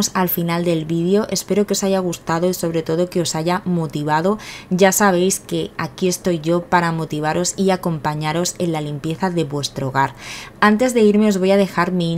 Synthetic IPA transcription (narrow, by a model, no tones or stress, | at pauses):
salfinald̪e̞lβiðjo̞ʔe̞spe̞ɾo̞keo̞saʝaɣ̞ust̪aðo̞iso̞β̞ɾe̞t̪o̞ð̞o̞ke̞o̞saʝamot̪iβ̞að̞o̞ɟ͡ʝasaβ̞e̞jske̞akie̞st̪o̞jʝo̞paɾamo̞t̪iβ̞aɾo̞siako̞mpaɲaɾo̞se̞nlalimpje̞θaðe̞βwe̞st̪ɾoɣ̞aɾant̪e̞zðe̞iɾme̞o̞zβo̞jað̞e̞xaɾmi